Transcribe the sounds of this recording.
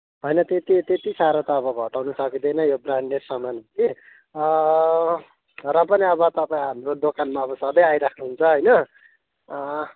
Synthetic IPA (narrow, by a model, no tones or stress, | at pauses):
ɦʌjnʌt̪et̪it̪et̪isaɾʌt̪ʌːbʌɡʱʌʈawnusʌkid̪ʌjnʌjobranɖersʌmanki | rʌpʌniʌbʌt̪ʌpaĩɦamrod̪okanmaʌbʌsʌd̪ʌjajɾakʰnuɦunt͡sʰʌɦʌjnʌ